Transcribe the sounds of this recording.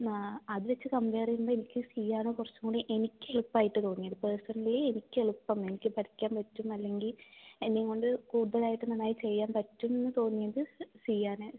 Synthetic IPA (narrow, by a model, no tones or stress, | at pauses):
aɐðuʋɐt͡ɕːɨkɐmbeːrijumbɐenikʲːɨsijaːnokurɐt͡ɕːuŋːɡoɳɖɨʔe̞nikʲːɨeɭupːaːjiʈːɨt̪o̞ːnːijɐðɨpeːsɐnɐlileenikʲːɨeɭupːɐme̞nikʲːɨpɐʈʰikʲːaːnpɐtːumɐlːe̞ŋɡilenːeiŋːoɳɖɨkuːðɐlaːjiʈːɨnɐnːaːjit͡ɕe̞jːaːnpɐtːumenːɨt̪o̞ːnːijɐðɨsiːjaːne